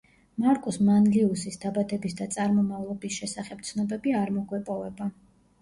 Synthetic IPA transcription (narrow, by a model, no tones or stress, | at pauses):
maɾkʼɔsmanliusisd̪abad̪ɛbisd̪at̪sʼaɾmɔmavlˠɔbisʃɛsaχɛp̚t̪sʰnɔbɛbiaɾmɔɡwɛpʼɔvɛba